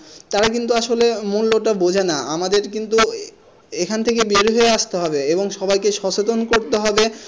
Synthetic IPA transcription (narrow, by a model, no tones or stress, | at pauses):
t̪aɾakint̪uaʃolemulːoʈabod͡ʑʱenaʔamad̪eɾkint̪u | ekʰant̪ʰekebeɾɦoeaʃt̪eɦɔbeeboŋʃɔbajkeʃɔt͡ɕot̪onkoɾt̪eɦɔbe